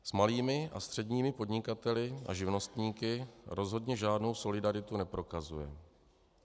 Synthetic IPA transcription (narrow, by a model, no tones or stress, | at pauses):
smaliːmɪʔa̰st̪r̝̥ɛdɲiːmɪpo̞dɲɪkat̪ɛlɪʔa̰ʒɪvno̞st̪ɲiːkɪɾo̞zɦo̞dɲɛʒaːdno̞wso̞lɪdaɾɪt̪unɛpɾo̞kazujɛ